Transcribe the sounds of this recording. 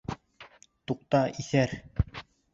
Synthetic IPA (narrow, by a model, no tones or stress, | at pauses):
t̪uq̚t̪ɑiθæɾ